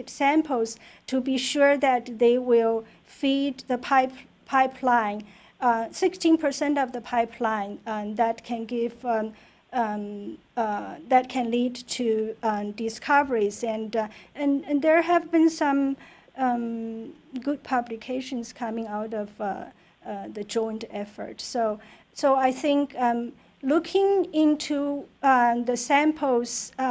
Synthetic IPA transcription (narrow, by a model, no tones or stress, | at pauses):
tsæ̃mpʰl̩ˠztʰɨbiʃʊɹðɨt̚ðeɪwɪlˠ | fid̪ðəpʰaɪp | pʰaɪpʰlãɪ̃ŋ | sɪkstĩnpʰə˞sɛ̃ntʌvðəpʰaɪpʰlãɪ̃ŋðæt̚kʰɨ̃nɡɪv | ðɨt̚kʰɨ̃nlidtʰudɪskʰʌvə˞izɨ̃nɨ̃ñðə˞ɦɨvbɨ̃nsʌ̃m | ɡʊd̚pʰʌblɨkʰeɪʃɨ̃nz̥kʰʌmɪ̃ŋaʊɾʌv | ðɨd͡ʒɔ̃ɪ̃ntɛfə̰˞tsoʊ | soʊaɪθɪ̃ŋkʌ | lʊkʰɪ̃ŋɪ̃ntʰu | ðəsæ̃mpʰl̩ˠs